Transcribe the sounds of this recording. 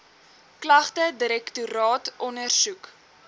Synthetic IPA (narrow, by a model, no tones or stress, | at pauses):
klɐχtədiɾɛktuɾɑːtʔɔnərsuk